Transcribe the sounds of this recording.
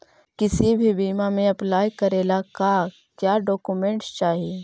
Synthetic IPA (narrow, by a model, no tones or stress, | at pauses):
kɪsibʱibiːmamẽɐplaːjkəɾeːlakaː | kjaːɖɔːkumẽɳʈst͡ʃaːɦie